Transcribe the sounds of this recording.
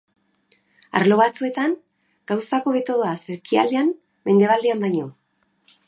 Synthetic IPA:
a̰ɾlo̞βat͡sue̞t̪aŋ | ɡ̥awsako̞βe̞t̪o̞ð̞oaseɾkia̰ld̪eam | me̞nd̪e̞β̞ald̪eambajɲo̞

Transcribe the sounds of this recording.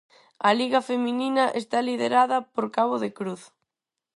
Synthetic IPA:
ɐliɣɐfemĩninɐʔest̪aliðeɾaðɐpoɾkaβoðekɾuθ

